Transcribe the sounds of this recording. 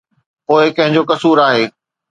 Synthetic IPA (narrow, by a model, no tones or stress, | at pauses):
poːɪkɐ̃ɦɪ̃ɲd͡ʑoːkɐsuːɾaːɦeː